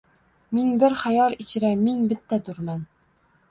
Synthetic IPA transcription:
mɪŋbɪɾχæjɑlˠit͡ʃʰɪɾæmɪŋbɪt̪ʰːɛd̪uɾmæn

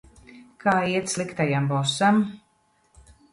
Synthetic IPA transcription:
kʰaːiɛt̪slˠikt̪ajambɔsam

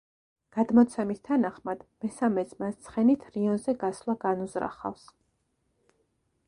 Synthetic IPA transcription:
ɡ̥ad̪mɔt̪sʰɛmist̪ʰanaχmad̪̥mɛsamɛsmast̪sʰχɛnit̪ʰɾiɔnzɛɡaslˠaɡanuzɾa̰χa̰fs

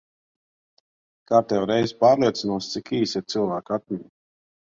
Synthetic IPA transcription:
kaːɾt̪ɛwɾɛjzpaːɾliɛt̪sinuɔst̪sikiːsiɾt̪sɨlˠvaːkat̪̚mʲiɲi

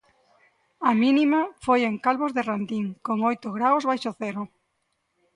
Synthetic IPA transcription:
aminimafojeŋkalβozðeɪrand̪iŋkoŋojt̪ʊɣɾawzβajʃoθɛɾʊ

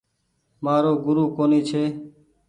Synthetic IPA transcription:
maːɾoːɡʊɾuːkoːniːt͡ʃʰeː

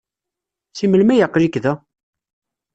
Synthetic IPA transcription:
siməlmæjəqːlikðæ

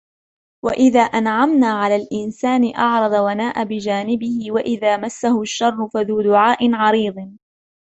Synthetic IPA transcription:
waʔɪðaːʔanʕamnaːʕalaːlʔɪnsaːnɪʔɑʕɾˤɑðˤɑwanaːʔabɪd͡ʒaːnɪbɪhɪwaʔɪðaːmasːahʊʃːɑrˤːʊfaðuːd̪ʊʕaːʔɪnʕɑɾiːd̪ˤn

